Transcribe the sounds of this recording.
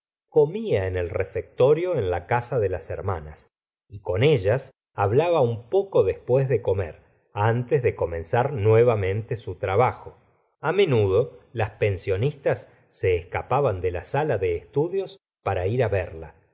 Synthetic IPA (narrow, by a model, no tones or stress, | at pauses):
ko̞miaenelrefek̚t̪o̞ɾjo̞enlakasaðelaseɾma̰na̰s | iko̞neʒas | aβlaβaumpo̞ko̞ðespwezðe̞ko̞mḛɾ | ant̪ezðe̞ko̞mẽ̞nsaɾnwe̞βamẽ̞nt̪esut̪ɾaβaxo̞ | amẽ̞nuðo̞laspensjo̞nist̪asː | e̞ːskapaβand̪e̞lasalaðeːst̪uðjo̞s | paɾaiɾaβeɾla